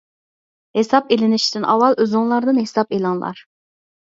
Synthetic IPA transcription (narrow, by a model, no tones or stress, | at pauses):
hesɑpelɪnɪʃt̪ʰɪnʔɑwɑlˠʔøzuŋlˠɑɾd̪ɨnhesɑpelˠɑnlˠɑ̰ɾ